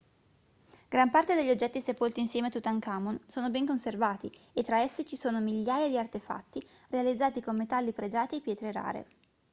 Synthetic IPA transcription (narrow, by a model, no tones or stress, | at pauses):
ɡ̥ɾampart̪ed̪eʎːiod͡ʒːɛt̪ːisepolt̪iːnsjɛːmet̪ut̪ːaŋkaːmonsoːnobɛŋkonservaːt̪iet̪ːɾaɛsːit͡ʃisoːnomiʎːaːjad̪iart̪efa̰t̪ːi | realid̪zːaːt̪ikommet̪alːipɾed͡ʒaːt̪iipjɛːt̪ɾeɾa̰ːɾḛ